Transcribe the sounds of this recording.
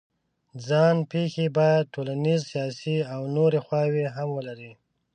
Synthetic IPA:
d͡zɑnpexebɑjad̪̚ʈʰolanizsijɑsiawnoɾexwɑweɦamwəlaɾi

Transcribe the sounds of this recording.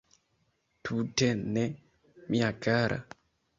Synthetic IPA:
tʰutɛnːɛ | miakaɾʔa̰

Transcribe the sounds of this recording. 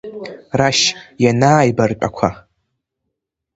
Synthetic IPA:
raʃjanaːjbart͡ʃʷʼa̰kʷʰa

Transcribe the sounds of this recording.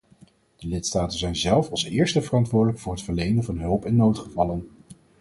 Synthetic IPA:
d̥əlɪtstaːtənzɛjnzɛlˠfɑlˠsɪːɹstəvərɑntʋʊːdələkfʊːɹɦətfəɹlejndənvɑnɦɵlˠpɛnːowtχəvɑlən

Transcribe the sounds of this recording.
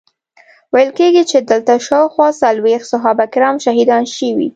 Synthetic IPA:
wajəlkeɡit͡ʃed̪əlt̪aʃɑwxwɑsalwext̪sʊɦɑbakɾɑmʃaɦid̪ɑnʃəwḭ

